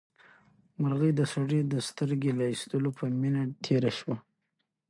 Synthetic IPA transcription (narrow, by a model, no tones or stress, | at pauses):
maɾɣəjd̪əsaɽid̪əst̪əɾɡelɑist̪əlopʰəminat̪ʰeɾaʃwa